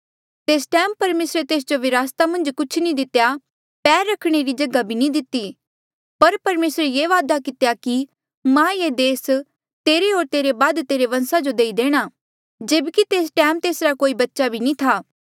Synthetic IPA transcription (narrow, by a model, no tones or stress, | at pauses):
t̪eːsʈɛːmpɐɾmeːsɾet̪eːs̬d͡ʒoʋɪɾaːst̪amɐ̃nd͡ʒkʊt͡ʃʰnĩd̪ɪt̪ja | pɛːɾːɐkʰɽ̃eɾid͡ʒɐɡabʱinĩd̪ɪt̪ːi | pɐɾpɐɾmeːsɾejeːʋaːd̪akɪt̪jaki | mãːjeːd̪eːs | t̪eːɾeoːɾt̪eːɾebaːd̪t̪eːɾeʋɐ̃nsad͡ʒod̪eːid̪eːɽ̃aː | d͡ʒeːbkit̪eːs̬ʈɛːmt̪eːsɾakoːibɐtːʃabʱinĩt̪ʰaː